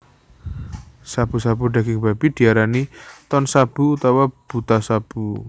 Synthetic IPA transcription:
sab̥ṳsab̥uɖa̤ɡɪŋbab̥id̪̥i̤aɾanit̪ɔnsab̥ṳut̪awab̥ut̪asab̥u

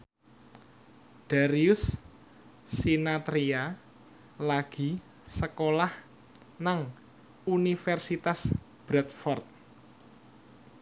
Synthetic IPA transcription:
d̪̥aɾiʊsː | inat̪ɾia | laɡ̥i̤ | səkolah | naŋ | unifɛrsit̪as | b̥ɾɛt̪̚fɔrt̪̚

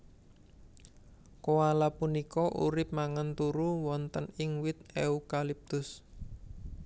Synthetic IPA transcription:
kowalapunikɔʔṵɾɪp̚maŋənt̪uɾuwɔnt̪ənɪŋwɪt̪̚eukalip̚t̪ʊs

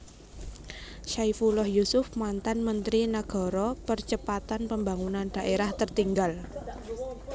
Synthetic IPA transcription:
ʃajfulɔhjusʊfmant̪anmənt̪ɾinaɡ̥ɔ̤ɾɔpərt͡ʃəpat̪anpəmbaŋunand̥a̤ʔeɾaht̪ərt̪iŋɡal

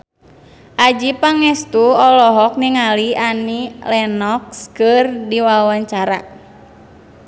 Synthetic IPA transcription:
ʔad͡ʒipaŋɛst̪uɔlɔɦɔk̚niŋalianilɛnɔk̚skɨrdiwawaɲt͡ʃaɾa̰

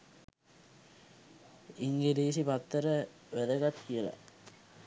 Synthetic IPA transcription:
iŋɡeliːsipat̪ːəɾə | ʋæd̪əɡat̪kijəla̰

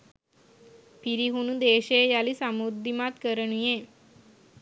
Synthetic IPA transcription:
piɾiɦunud̪eːʂeːjalisɐmud̪ːimaːt̪kɐɾɐnujeː

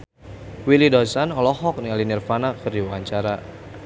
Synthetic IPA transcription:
wilidɔsanɔlɔɦɔk̚nialinirfanakɨrdiwaɲt͡ʃaɾa

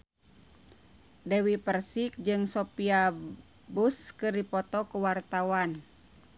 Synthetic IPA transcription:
dɛwipərsik̚d͡ʒɨŋsɔpia | buskɨrdipɔt̪ɔkuwart̪awan

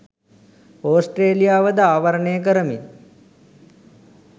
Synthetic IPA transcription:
oːsʈreːlijaːʋəd̪əaːʋaɾəɳeːək̬əɾəmi

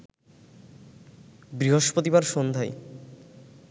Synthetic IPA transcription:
bɾiɦoʃpot̪ibaɾʃond̪ʱaj

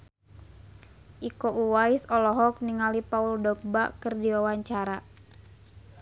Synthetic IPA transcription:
ʔikoʔuwaisɔlɔɦɔk̚niŋalipauldɔk̚ba̰kɨrdiwawaɲt͡ʃaɾa

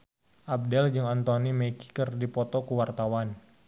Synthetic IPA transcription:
ʔab̚dɛld͡ʒɨŋant̪onimeki̥kərdipɔt̪ɔkuwart̪awan

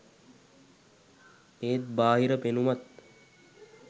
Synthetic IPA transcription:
eːt̪̚baːɦiɾəpenumat̪̚

